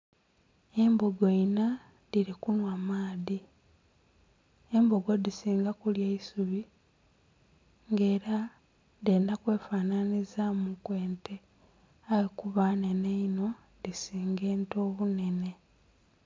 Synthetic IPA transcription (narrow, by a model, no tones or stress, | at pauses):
e̞mboɡoina | ðiɾikunwamaːði | e̞mbo̞ɡo̞disiːŋɡakuljeisuβi | ŋɡe̞ːɾa | ðeːndakwe̞ːfaːnanizamukwe̞ːntʰe | ajekuβane̞neino̞ | ðisiːŋɡe̞ːnto̞ːβune̞ne̞